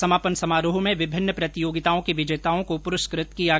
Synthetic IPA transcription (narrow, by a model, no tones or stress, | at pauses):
sɐmaːpənsɐmaːɾoɦomẽʋɪbʱɪnːəpɾɐt̪ijoːɡɪt̪aːõkiʋɪd͡ʒeːt̪aːõkopʊɾʊskɾɪt̪kija